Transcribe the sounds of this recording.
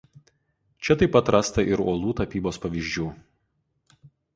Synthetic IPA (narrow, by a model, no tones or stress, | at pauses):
t͡ʃʲɛt̪ɐɪpɐt̪ɾɑst̪ɐʔɪɾoːlˠuːt̪ɐpʲiːboːspɐʋʲiʒʲd͡ʒʲuː